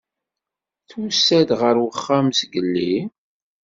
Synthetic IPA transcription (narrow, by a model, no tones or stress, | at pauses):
θwusːæd̪ʁəɾwəχːamsɡəlːi